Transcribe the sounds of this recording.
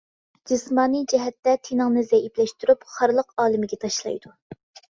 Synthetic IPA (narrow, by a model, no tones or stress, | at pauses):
d͡ʒɨsmɑːnɨd͡ʒɛɦɛt̪ːɛt̪ʰenɨŋnɨzɛiplɛʃt̪yɾypχɑɾlˠəqɑːlˠɨmɪɡʲɛt̪ʰɑʃlˠɑ̰jd̪̥u